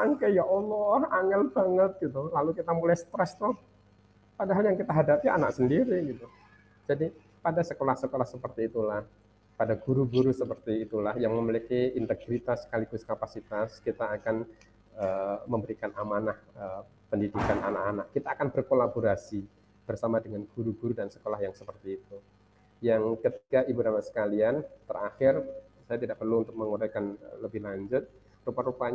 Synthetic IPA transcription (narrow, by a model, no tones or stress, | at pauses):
aŋkajaʔolɔraŋɛlbaŋət̪̚ɡit̪ulalukit̪amulɛjst̪ɾɛst̪ɔh | padaɦaljaŋkit̪aɦadapia̰na̰ksəndiɾiɡit̪u | d͡ʒadi | padasəkolahsəkolahsəpərt̪iːt̪ulah | padaɡuɾuɡuɾusəpərt̪iːt̪ulahjaŋməməlikiint̪əɡɾit̪askalikuskapasit̪askit̪aːkan | əməmbəɾikanʔamanahə | pəndidikananakanakːit̪aːkanbərkolaboɾasi | b̥ərsamadəŋanɡuɾuɡuɾudansə̥kolahjaŋsəpərt̪iːt̪u | jaŋkət̪ikaʔibuɾamasə̥kaliant̪əraxɪr | sajat̪idaʔpərluunt̪ʊk̚məŋuɾajkanləbɪhlaɲd͡ʒʊt̪̚ | rupaɾupaɲ